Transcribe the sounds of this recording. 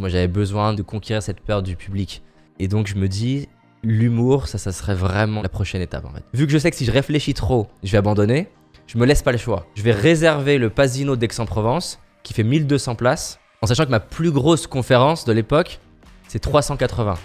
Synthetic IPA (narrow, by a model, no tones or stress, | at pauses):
mwaʒavɛbəzwɛ̃d̪əkɔ̃kʲeʁiʁsɛt̪pœʁt̪d̪ypʰyblik | ed̪ɔ̃kʒəməd̪i | lymuʁsasasəʁɛvʁɛmɑ̃lapχɔʃɛnet̪a̰pɑ̰̃fɛ̰t̪vykəʒəs̬ɛkə̥siʒəʁefleʃit̪χoʒəvɛabɑ̃d̪ɔne | ʒ̥əməlɛspaləʃwa̰ʒəvɛʁezɛʁveləpazinod̪ɛksɑ̃pχɔvɑ̃s | kʲi̥fɛmild̪øsɑ̃plas | ɑ̃saʃɑ̃kəmaplyɡʁoskɔ̃feʁɑ̃sd̪əlepɔk | sɛt̪χwasɑ̃kat̪χəvɛ̃